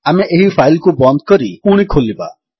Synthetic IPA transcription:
ameʔeɦipʰajlkubɔnd̪̚kɔɾikuɽ̃ikʰoliba̰

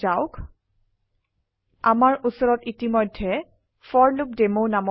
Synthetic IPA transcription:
aʊk | a̰maɹʔusɔɹɔtitimɔjdʱːɛ | fɔɹluk̚demownamɔ

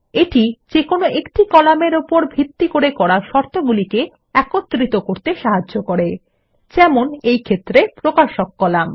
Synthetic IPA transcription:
eʈid͡ʑekonoʔekʈikɔlameɾupoɾbʱit̪ːikoɾekɔɾaʃɔɾt̪ʰoɡulike | ɛkot̪ːɾit̪okoɾt̪eʃaɦaʑokoɾe | d͡ʑɛmonejkʰet̪ːɾepɾokaʃokːɔlam

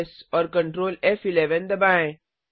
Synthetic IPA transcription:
sɔːɾkə̃ɳʈɾoːlefɪleʋə̃nd̪əbãɪ̃

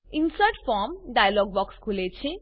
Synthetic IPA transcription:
insʌʈfʰɔmɖajaloɡ̚bɔkskʰulet͡sʰĩ

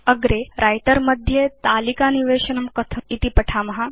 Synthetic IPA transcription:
əɡɾeɾʔajt̪əɾməd̪ʱːjet̪aːlikaniʋeːɕənɐmkət̪ʰəit̪ipɐʈʰaːmɐɦa

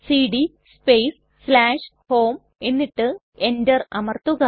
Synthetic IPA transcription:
siːɽi | speːsːlaːʂ | hoːm | e̞nːiʈːɨ | endɐrɐmɐrt̪uɣɐ

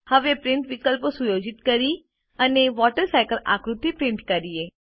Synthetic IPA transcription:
həʋepɾɪɳʈʋikəlposujod͡ʒit̪kəɾi | əneʋɔʈəɾsajkəla̰kɾut̪ːipɾɪ̃ɳʈkəɾie

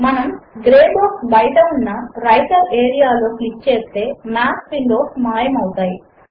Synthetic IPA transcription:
mɐnɐmɡɾeːboːsbɐjʈ̪ɐunːɐɾɐjʈɐɾeːɾijaːlo̞ːklikːt͡ʃeːst̪e̞ːmaːspiɳɖoːsmaːjɐmɐwut̪aːji

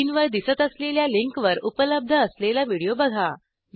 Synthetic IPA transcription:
nʋəɾd̪isət̪əsleljaliŋkʋəɾupələb̚d̪ʱəːslelaʋiɽijobəɡʱa

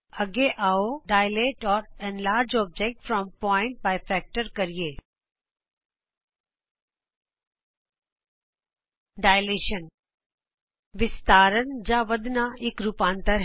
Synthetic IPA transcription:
ɐɡeʔaːoɖaːɪleːʈɔːɾɛ̃nlaːɾd͡ʒɔːb̚d͡ʒek̚ʈfɾɔ̃mpɔːɪ̃ɳʈ̚baːɪfɛːk̚ʈəɾkɐɾieː | ɖaːɪleːʃən | ʋɪst̪aːɾənd͡ʒãʋɐd̪naɪkɾupãːnt̪əɾ

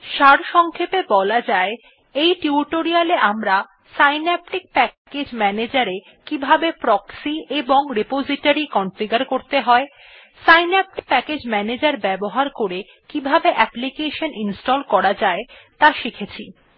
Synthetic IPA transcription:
ʃaɾʃɔŋkʰepebɔlad͡ʑae | ejʈiuʈoɾialeʔamɾa | sajnɛp̚ʈik̚pɛked͡ʑmɛned͡ʑaɾe | kibʱabepɾɔksieboŋɾepod͡ʑiʈaɾikɔnfiɡaɾkoɾt̪eɦɔe | sajnɛp̚ʈik̚pɛked͡ʑmɛned͡ʑaɾbɛboɦaɾkoɾe | kibʱabeʔɛplikeʃoninsʈɔlkɔɾad͡ʑaet̪aʃikʰet͡ɕʰi

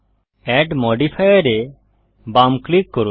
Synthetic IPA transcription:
ɛɖmɔɖipʰajəɾe | bamklikːɔɾu

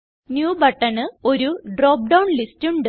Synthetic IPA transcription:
njuːbɐʈːɐɳɨo̞ɾuɖro̞ːp̚ɖɐwnlistuɳɖɨ

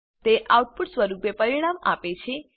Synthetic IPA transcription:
t̪eʔawʈ̚puʈsʋəɾupepəɾiɽ̃ama̰pet͡ʃʰe

